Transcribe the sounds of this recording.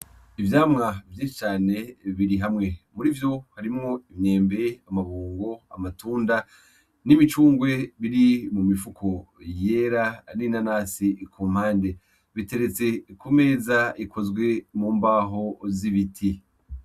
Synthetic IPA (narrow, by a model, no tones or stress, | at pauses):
ivjaːmŋavjiːʃit͡ʃaːne̞βiɾiɦamŋe̞muɾiːvjo̞haɾimŋo̞imɲeːmbe̞amaβuːŋɡo̞a̰matuːnda | nimit͡ʃuːŋɡwe̞βiɾimumifukʰo̞jeɾaninanaːsikʰuːm̥haːnde̞ | βite̞ɾe̞t͡se̞kume̞ːzaikʰo̞zɡwe̞muːmbaːɦo̞ziβitʰi